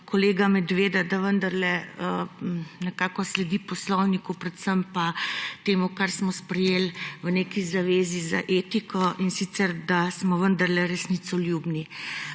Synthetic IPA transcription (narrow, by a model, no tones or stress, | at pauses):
kɔleːɡamɛd̪ʋeːd̪ad̪aʋənd̪aɾlɛənɛkaːkɔslɛd̪ipɔslɔwnikupɾɛt̪səmpat̪eːmukaɾsmɔspɾɛjeːlʋəneːkizaʋeːzizaʔeːt̪ikɔʔinsit̪sɛɾd̪asmɔʋənd̪aɾlɛɾɛsnit̪sɔljubni